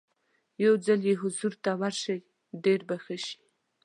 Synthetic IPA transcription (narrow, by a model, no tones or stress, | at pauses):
jawd͡zaljeɦʊzuɾt̪awaɾʃəj | ɖeɾbaxəʃi̥